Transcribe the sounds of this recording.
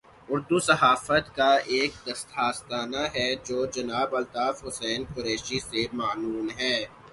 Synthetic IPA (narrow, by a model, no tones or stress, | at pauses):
ʊɾd̪usɐɦaːfət̪kaeːk̚d̪ɐst̪ʰaːst̪aːnaɦɛd͡ʒoːd͡ʒɐnaːbɐlt̪aːfɦʊsɛːnkʊɾeːʃisemaːnuːnɦɛː